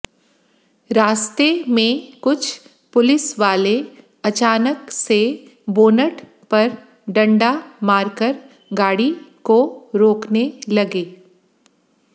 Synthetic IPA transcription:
ɾaːst̪emẽkʊt͡ʃʰ | pʊlɪsʋaːle | ɐt͡ʃaːnəkse | boːnəʈ | pɐɾ | ɖɐ̃ɳɖamaːɾkəɾ | ɡaːɽikoɾoːknelɐɡeː

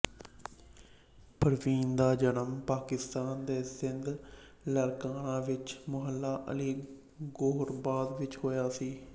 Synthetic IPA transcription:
pəɾʋiːnd̪aːd͡ʒənəmpaːkɪst̪aːnd̪eːsɪnd̪ | ləɾkaːnãːʋɪt͡ʃmʊɦəlːaːʔə̰liː | ɡoːɾbaːd̪ʋɪt͡ʃɦoːjaːsiː

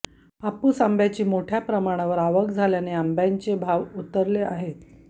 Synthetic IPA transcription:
apuːsambʱjat͡ɕiːmoʈʰjapɾəmaɽ̃aʋəɾaʋəkd͡zʱaljaneambjaɲt͡sebʱaʋut̪əɾlea̰ɦe

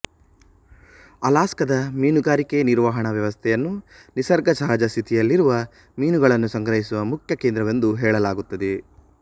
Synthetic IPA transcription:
ɐlaːskɐd̪ɐmiːnuɡaːɾikeniɾʋaɦɐɳɐʋjɐʋɐst̪ʰɛjɐnːu | nisɐɾɡɐsɐɦɐd͡ʒɐst̪ʰit̪ʰijɐlːiɾuʋɐ | miːnuɡɐɭɐnːusɐŋɡɾɐɦisuʋɐmukʰjɐkeːnd̪ɾɐʋɐnd̪uɦɛːɭɐlaːɡut̪ːɐd̪e

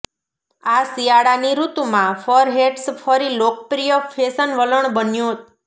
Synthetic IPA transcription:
asijaɽaniɾut̪umãfəɾɦeʈsfəɾilok̚pɾijəfesənʋələɳbənjũt̪

